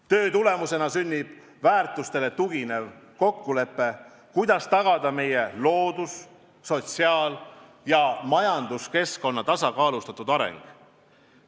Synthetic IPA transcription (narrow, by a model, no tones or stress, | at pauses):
t̪ø̞ːt̪ule̞muse̞nɑsynʲːib̥ | væːrt̪ˑust̪e̞let̪uɡ̥ine̞vko̞kːule̞pːe̞ | kujd̪̥ɑst̪ɑɡ̥ɑd̪̥ɑme̞je̞lo̞ːd̪̥usː | o̞t̪siɑːl | jɑmɑjɑnd̪̥uske̞sko̞nːɑt̪ɑsɑkɑːlust̪ɑt̪ːˑud̪̥ɑɾe̞̰ŋɡ̥